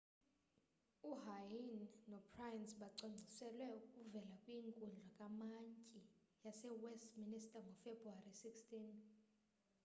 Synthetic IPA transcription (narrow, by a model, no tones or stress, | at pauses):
uɦajinːɔpʰrajnsɓaǀɔŋ͡ǀʱisɛlwɛukʼuvɛlakʼwiŋkʼunɮʱwakʼamaɲcʼi | jasɛwɛstministʼaŋɡʱɔfebruarisikstin